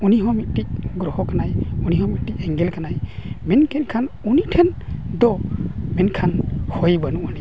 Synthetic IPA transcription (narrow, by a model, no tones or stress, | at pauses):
uniɦɔmit̪̚ˀtic̚ɡɾɔhɔkanajuniɦɔ̃mit̪̚tic̚ɛŋɡɛlkanajmɛnkʰɛt̚kʰanunitʰɛnd̪ɔmɛnkʰanhɔjbanuʔani